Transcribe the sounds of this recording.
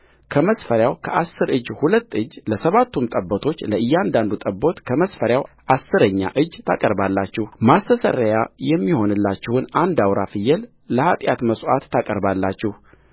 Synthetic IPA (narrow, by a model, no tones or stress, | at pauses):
kʰəməsfəɾjawkʰəʔasːɨɾʔɨd͡ʒhulət̪ːɨd͡ʒləsəβat̪ʰːumt̪ʼəbːət̪ʰo̞t͡ʃːləɨjːɛand̪and̪ut̪ʼəbːo̞t̪kʰəməsfəɾjaw | ʔasːɨɾəɲːa̰ʔɨd͡ʒːt̪ʰakʼəɾbalːat͡ʃːɛhmast̪ʰəsə̰ɾəjajɛmːiho̞nɨlːat͡ʃːɪhɨnand̪awɾafɨjːɛl | ləhat̪ʼjat̪məswa̰t̪ːakʼəɾbalːat͡ʃːɛh